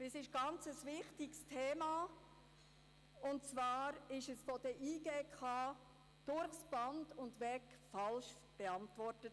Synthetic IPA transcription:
ɛsɪʃɡ̥ɑnt͡səsvɪχtɪɡstʰeːmɑ | ʊnt͡svɑːɾɪʃɛsfɔd̥ɛʔiːɡeːkʰɑː | d̥ʊɾχsb̥ɑndʊndʋɛkfɑlʃ | b̥eɑntvɔɾtət

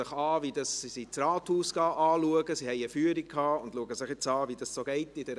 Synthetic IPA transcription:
ɪχɑːvidɑssisit͡srɑːthuːsɡ̥ɑːʔɑːluəɡəsihɛɪəfyːəɾikkʰɑːʊndluəɡəsɪχjɪt͡sɑːvid̥ɑssoːɡ̥ɛɪtɪd̥ɛɾ

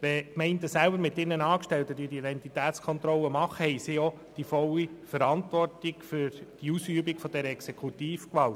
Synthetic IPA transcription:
ʋɛkmɛɪndəsælbəɾmɪt̪ɪnːənɑːkʃtɛltədyːd̥iidɛntitæːt͡skʰɔnt̪ɾɔlːəmɑχəhɛɪsiɔ | d̥ifɔlːifəɾɑntʋɔrtikfʏɾd̥iusyːəbikfɔd̥ɛɾəɛksekʰutiːfkʋɑlt

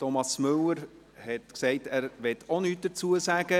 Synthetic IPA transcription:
tɔmɑsmʏləɾ | hɛtksɛɪtæːɾʋɛtʰonyːt̚d̥əɾt͡suəsæɡə

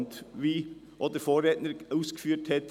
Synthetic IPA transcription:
nt̪ʋiː | ʔɔd̪əɾfoːɾeːt̪nəɾuːsɡ̥əfyːʈhɛt̪

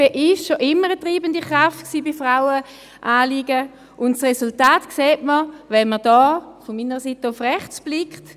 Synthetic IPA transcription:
eʔɪʃʃoʔɪmːəʁətʁiːbəndiχʁaftksiːbifʁaʊə | ʔaːliːɡə | ʔʊntsʁesultaːtkseːtməvɛnməd̥ɔːfɔmiːnəʁəsiːtəʊfʁɛχt͡sb̥lɪkt

